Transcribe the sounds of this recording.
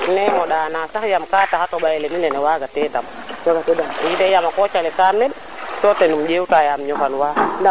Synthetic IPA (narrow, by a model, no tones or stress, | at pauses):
nɛmɔɗaːnasakjamkaːtakatoɓajɛleminɛnɛwaɡatɛdam | jidejamakɔt͡ʃalikaɾmɛd | sotenumd͡ʒewtajamɲɔfanwa